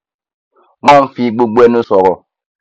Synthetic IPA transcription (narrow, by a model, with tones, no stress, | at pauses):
ma˦˨ɱ̩˦fi˦ɡ͡bo˦ɡ͡bwɛ˦nu˦sɔ˨ɣɔ˨